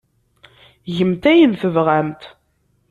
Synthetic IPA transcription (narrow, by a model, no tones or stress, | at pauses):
ʝəmt̪æjənθəvʁæmt̪